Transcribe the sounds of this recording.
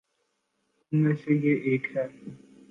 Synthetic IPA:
ʊnmẽːsejeʔeːkɦɛː

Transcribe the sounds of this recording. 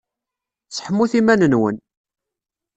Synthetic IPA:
t͡sːħəmːuθimænənwə̰n

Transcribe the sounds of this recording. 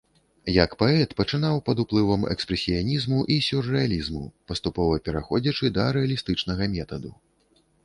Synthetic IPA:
jɐkpaɛt̪pɐt͡ʂɨnawpɐd̪uplˠɨvɐmɛ̰kspɾɛsʲijanʲizmuʔisʲurːɛalʲizmṵpɐst̪upɔvɐpʲɛɾaxɔd͡zʲɐt͡ʂɨd̪ɐɾɛɐlʲist̪ɨt͡ʂnɐɣɐmʲɛt̪ɐd̪u

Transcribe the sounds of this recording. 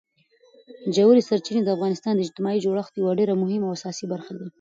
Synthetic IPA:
d͡ʒawɾisaɾt͡ʃined̪əafɣɑnɪst̪ɑnd̪əɪd͡ʒt̪ɪmɑid͡ʒoɽaəxt̪jawaɖeɾamʊhɪmawasɑsibaɾxad̪a

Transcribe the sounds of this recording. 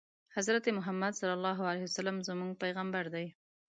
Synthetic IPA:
hazɾat̪emʊɦamːad̪sɑlːalːɑɦualajhiwasalamzəmuŋɡ̚pajɣambaɾd̪aj

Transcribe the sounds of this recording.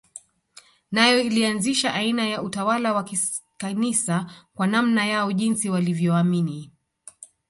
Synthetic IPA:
najɔilianziʃaʔainajaʔutawalawakikanisakwanamnajaɔʄinsiwalivjɔamini

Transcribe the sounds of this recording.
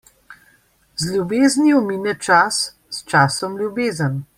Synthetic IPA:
zlʲjubeːzniɔminɛt͡ʃas | st͡ʃaːsɔmlʲjubeːzən

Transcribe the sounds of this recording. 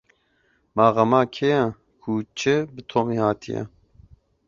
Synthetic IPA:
mɑːɣɐmaːkʰejɛ | kʰut͡ʃʰɨbɨt̪ʰoːmiːhaːt̪ʰijɛ̰

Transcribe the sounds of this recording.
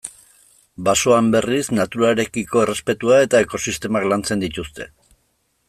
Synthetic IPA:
baso̞ambe̞riznat̪uɾaɾe̞kiko̞ere̞spe̞t̪uae̞t̪ae̞ko̞sist̪e̞maklant͡se̞nd̪it̪ust̪e̞

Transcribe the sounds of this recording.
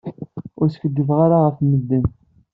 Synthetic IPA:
ʊɾskəd̪ːəvʁaɾaʁəfməd̪ːən

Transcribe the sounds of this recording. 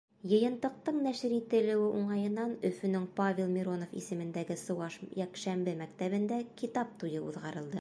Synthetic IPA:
jɤ̆jɤ̆nt̪ɤ̆q̚t̪ɤɴnæʃɘɾit̪ɘ̆lɘ̆wɘʔuɴɑjɤ̆nːɑnɵ̆fɵ̆nɵŋpavʲelˠmʲiɾo̞nofḭsɘ̆mɘ̆nd̪æɡɘsɤ̆wɑʃjækʃæmbɘmækt̪æβɘ̆nd̪ækit̪ɑp̚t̪ujɤṵðʁɑɾɤ̆lˠd̪ɤ

